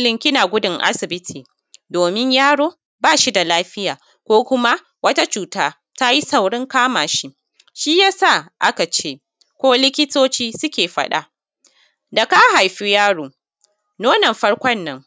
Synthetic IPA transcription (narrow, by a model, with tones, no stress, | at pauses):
lɪ˨ŋkʲɪ˦na˨ɡʷʊ˦dɪ˨ŋʔa̰˦sɪ˨bɪ˦tʰiː˨ | doː˨mɪ˦ɲjaː˦ɽoː˦ | baː˦˨ʃi˦da˨laː˦ɸɪ˦jaː˨ | kʷoː˦kʷʊ˦ma˦ | wɐ˦ta˦t͡ʃuː˨taː˦ | ta˦ji˦sa˨wɽɪ˦ŋkaː˦maː˨ʃi˦ | ʃi˦jaː˦sa˦˨ʔa˦ka˨t͡ʃeː˦ | kʷoː˦lɪ˦kʲɪ˦toː˦t͡ʃiː˦sʊ˦kʲeː˨ɸɐ˦ɗa̰˦ | da˨ka˦ha˨jɸi˦jaː˦ɽoː˨ | noː˦nɐ˨mɸɐ˦ɽkʷɔ˦nːɐ˦ŋ